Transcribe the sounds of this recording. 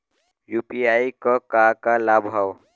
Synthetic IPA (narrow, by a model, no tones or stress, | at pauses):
juːpiaikɔkakalabʱɦɔw